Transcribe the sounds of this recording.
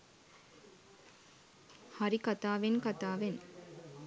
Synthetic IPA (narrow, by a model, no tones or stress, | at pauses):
haɾikat̪aːʋenkat̪aːʋen